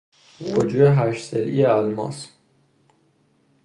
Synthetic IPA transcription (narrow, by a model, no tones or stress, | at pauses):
vod͡ʒueɦæʃselʔḭjeælmɒ̰s